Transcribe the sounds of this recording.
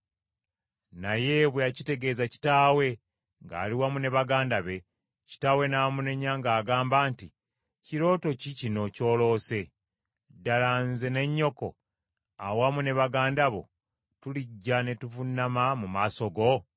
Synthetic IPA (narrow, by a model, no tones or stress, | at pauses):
naje̞βwejacite̞ɡe̞ːzaci̥taːwe̞ | ŋɡa̰ːliwamune̞βaɡaːndaβe̞ | ci̥taːwe̞naːmune̞ɲaŋɡaːɡaːmbaːnti | ciɾo̞ːto̞cicino̞co̞ːlo̞ːse̞ | dalanzene̞ɲːo̞ko̞̰ | awamune̞βaɡaːndaβo̞̰ | tuliɟːane̞tuvunːamamumaːso̞ɡo̞